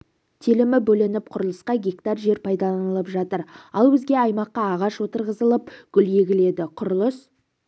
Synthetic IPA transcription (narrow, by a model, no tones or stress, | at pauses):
t̪ʰilɪmɪbɵlɪnɪp̚qʰʊɾəlˠəsqɑɡʲekt̪ɑɾʒe̞ɾpʰɑjd̪ɑlˠɑnəlˠəpʒɑt̪əɾɑlˠbɪzɡʲe̞ɑjmɑqːɑːʁɑʃwo̞t̪əɾʁəzəlˠəp̚ɡ̥ʲʏlje̞ɡʲɪle̞d̪ɪqʰʊɾəlˠəs